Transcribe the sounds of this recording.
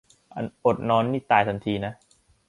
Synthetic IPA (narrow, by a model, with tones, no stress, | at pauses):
ʔa̰˧nʔo˨˩t̪̚nɔː˦˥nːiː˥˩t̪aː˨˩jt̪ʰa˧nt̪ʰiː˧na˦˥